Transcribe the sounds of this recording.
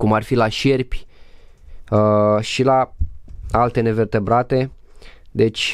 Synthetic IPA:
kumarfilaʃe̞rpʲ | əʃila | alt̪e̞ne̞ve̞rt̪e̞bɾat̪e̞d̪e̞t͡ʃʲ

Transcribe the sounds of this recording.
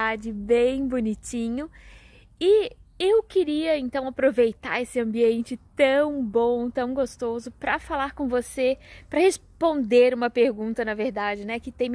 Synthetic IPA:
ad͡ʒɪbẽj̃bonit͡ʃĩɲʊ | ɪewkɪɾiɐẽnt̪ɐ̃w̃apɾovejt̪a̰ɾesɪɐ̃mbiẽnt͡ʃɪt̪ɐ̃w̃bõt̪ɐ̃w̃ɡost̪ozʊpɾɐfalaɾkõvosepɾɐhespõnd̪eɾũmɐpeɾɡũnt̪ɐnɐveɾd̪ad͡ʒɪnɛkɪt̪ẽj̃m

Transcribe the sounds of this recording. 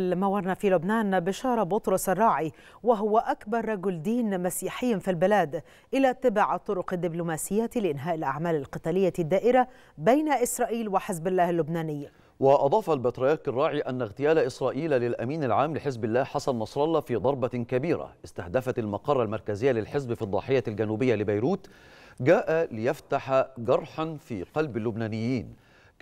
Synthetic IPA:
lmawɑɾˤnafiːlʊbnaːnbɪʃɑːɾˤɑbʊt̪ɾʊsʔɑrˤːɑːʕi | wɪɦʊwaʔakbɑɾˤːɑɡʊld̪iːnmasiːħɪjːafilbɪlaːd̪ | ʔɪlaːt̪ːɪbaʕt̪ˤːʊɾʊqɪd̪ːɪblʊmaːsɪjːat̪lɪʔɪnɦaːʔɪlʔa̰ʕmaːlalqɨt̪aːlɪjːad̪ːaːʔɪɾa | bajnaʔɪsɾˤɑːʔiːlwɪħɪzbalːaːhɪlːʊbnaːnɪjːa | wɪʔɑd̪ˤɑːfɑlbɪt̪ɾˤɑjɑɾˤkɑrˤːɑːʕiʔænːaɣt̪ɪjæːlaʔɪsɾˤɑːʔiːllɪlʔæmiːnalʕaːmlɪħɪzbɪlːæːhħɑsˤɑnːɑsˤɾˤɑlːɑfiːd̪ˤɑɾˤbɑkabiːɾa̰ʔɪst̪ahd̪æfæt̪almɑqɑrˤːɑlmɑɾˤkæzɪjːalɪlħɪzbfid̪ˤːɑ̰ħɪjːalɡænuːbɪjːalɪbajɾuːt̪ɡæːʔalɪjaft̪aħaɡɑɾˤħanfḭːqɑlbɪlːʊbnæːnɪjːiːn

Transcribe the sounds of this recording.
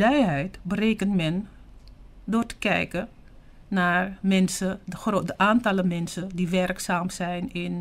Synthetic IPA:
lɛjɦɛjtbəreːkəntmɛn | dʊːrtə̥kɛ̰jkə | naːrmɛnsərodəʔaːntɑləmɛnsədiʋɛrksaːmsɛjnɪn

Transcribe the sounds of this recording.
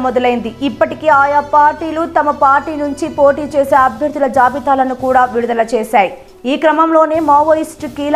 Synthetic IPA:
mɔd̪ɐlɐjind̪iipːɐʈikeːaːjapaːɾʈiːlut̪ɐmɐpaːɾʈiːnuɲt͡ʃipo̞ːʈiːt͡ʃeːseːɐbʱjɐɾd̪ulɐd͡ʒaːbit̪aːlɐnukuːɽaːʋiɽud̪ɐlɐt͡ʃeːʃaːji | iːkɾɐmɐmlo̞ːne̞ːmaːʋɐisʈkiːlɐ

